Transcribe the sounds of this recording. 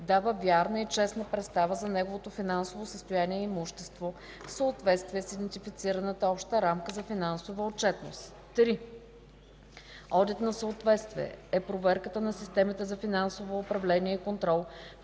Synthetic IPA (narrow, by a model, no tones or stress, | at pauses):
d̪avəvʲjaɾnəit͡ʃɛsnəpɾɛt̪st̪avəzɐnɛɡovot̪ofinansovosəst̪ojaniɛimuʃt̪ɛst̪vo | fsəʊt̪vɛt̪st̪viɛsid̪ɛnt̪ifit̪siɾənət̪əɔpʃt̪əɾamkəzɐfinansovəot͡ʃɛt̪no̰st̪ | t̪ːɾi | ɔd̪it̪nɐsəot̪vɛt̪st̪viɛ̰ɛpɾovɛɾkət̪ənɐsist̪ɛmit̪ɛzɐfinansovoːpɾɐvlɛniɛikont̪ɾɔlˠ